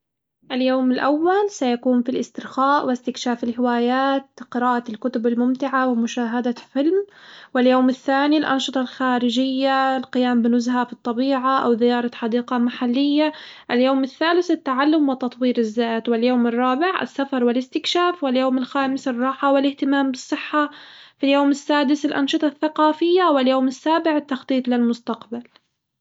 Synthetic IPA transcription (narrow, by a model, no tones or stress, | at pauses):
ʔaljoːmɪlʔawːalsajakuːmfilʔɪst̪ɪɾxaːʔwɪst̪ɪkʃaːfɪlhɪwaːjaːt̪qɪɾaːʔalkʊt̪ʊbɪlmʊmt̪ɪʕawɪmʊʃaːɦad̪afɪlmwɪljoːmɪθːaːnilʔɑ̰nʃɨt̪ˤɑlxaːɾɪd͡ʒɪjːalqɪjaːmbɪnʊzhafit̪ˤːɑbiːʕaʔawðɪjɑːɾˤɑħɑd̪iːqamaħalːɪjːaʔɪljoːmɪθːaːlɪθɪt̪ːaʕalːʊmwɪt̪ɑt̪ˤwiːɾɪzːaːt̪wɪljoːmɪrˤːɑːbɪʕɪ̰sːafɑɾˤwɪlɪst̪ɪkʃaːfwɪljoːmɪlxaːmɪsɪrˤːɑːħawɪlɪht̪ɪmaːmbɨsˤːɨħːafiljoːmɪsːaːd̪ɪsɪlʔɑnʃɨt̪ˤɑθːaqɑːfɪjːawɪljoːmɪsːaːbɪʕɪt̪ːɑxt̪ˤiːt̪ˤlɪlmʊst̪aqbal